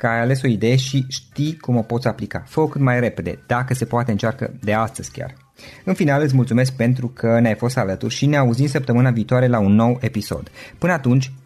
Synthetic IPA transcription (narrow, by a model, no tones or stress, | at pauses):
kəajale̞so̞id̪e̞je̞ʃiʃt̪ijkumo̞po̞t̪sʲaplika̰fəokɨt̪majre̞pe̞d̪e̞̰d̪̥akəse̞poat̪e̞ɨnt͡ʃarkə̰d̪e̞ast̪əz̥ʲkʲa̰r | ɨnfinalɨt̪s̬ʲmult̪sume̞s̬k̚pe̞nt̪̬ɾukʰəneajfo̞st̪alət̪urʲʃine̞auzimsəp̚t̪əmɨnaviːt̪oaɾe̞launːo̞we̞piso̞̰d̪pɨnəat̪unt͡ʃʲ